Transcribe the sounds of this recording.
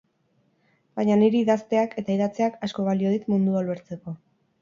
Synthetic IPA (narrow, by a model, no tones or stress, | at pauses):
bajɲaniɾiːðast̪e̞akʰe̞t̪aiðat͡se̞akasko̞βalio̞ðit̪mund̪ualueɾt͡se̞ko̞